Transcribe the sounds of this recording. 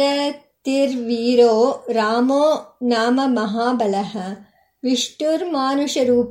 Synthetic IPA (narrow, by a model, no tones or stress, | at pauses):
ɐ | t̪iɾʋiːɾoːɾaːmoːnaːmɐmɐɦaːbɐlɐɦɐ | ʋiʂʈuɾmaːnuʂɐɾuːp